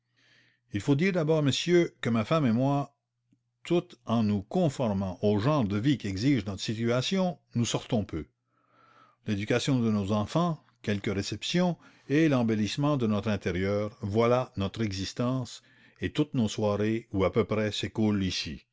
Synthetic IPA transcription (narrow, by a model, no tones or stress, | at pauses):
ilfod̪iːʁd̪abɔːʁməsjøkəmafamemwa | t̪ut̪ɑ̃nukɔ̃fɔʁmɑ̃ʔoʒɑ̃ːʁd̪əvikʲiɛɡziʒnɔt̪ʁə̥sit̪yasjɔ̃nusɔʁt̪ɔ̃pʰø | led̪ykʲasjɔ̃d̪ənozɑ̃fɑ̃ | kʲɛlkəʁesɛpsjɔ̃ | elɑ̃belismɑ̃d̪ənɔt̪ʁɛ̃t̪eʁjœːʁvwalanɔt̪ʁɛɡzist̪ɑ̃ːs | et̪ut̪noswaːʁeuapøpʁɛsekulisḭ